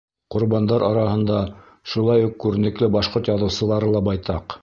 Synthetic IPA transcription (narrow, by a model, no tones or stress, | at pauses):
qŏɾβɑnd̪ɑɾʔɑɾɑhɤ̆nd̪ɑ | ʃulˠɑjuqkːʉɾɘ̆nɘ̆klɘbɑʃqoɾt̪jɑðɤ̆wsɤ̆lˠɑɾɤlˠɑbɑjt̪ɑq